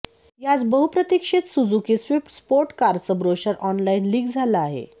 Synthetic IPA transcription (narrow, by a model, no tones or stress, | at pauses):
jat͡sbəɦupɾət̪ikʂet̪sud͡zukisʋipʈspoɾʈkaɾt͡səbɾoɕəɾʔɔnlainliːɡd͡zʱalaːɦḛ